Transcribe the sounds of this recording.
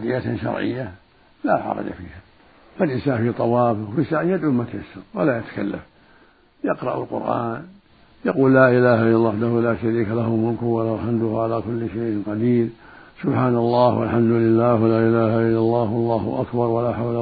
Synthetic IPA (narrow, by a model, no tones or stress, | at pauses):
ad̪ɪjːat̪ʃɑ̰ɾˤʕɪ̰jːa | la̰ːħɑ̰ɾˤɑ̰d͡ʒa̰fḭːha | falʔɪnsaːnfiːt̪ˤɑwɑːfɪɣfisaʕɪjad̪ʕʊmːat̪ajasːʊɾwalajat̪ḁka̰lːa̰f | jɪqɾˤɑ̰ʔa̰lqʊ̰ɾʔa̰ːn | jaquːllaːʔɪlaːhaʔɪlːalːwaħd̪ahulaːʃaɾiːkalahʊmʊlkʊhwalaħamd̪ʊhʕalakʊlːʃajʔɪnqɑd̪iːɾ | sʊbħaːnalˤːɑːhwa̰lħamd̪ʊlɪlːaːhwlaːʔɪlaːhaʔɪlːalˤːɑːhwɑlˤːɑːhʊ̰ʔakbɑɾˤwalaħawla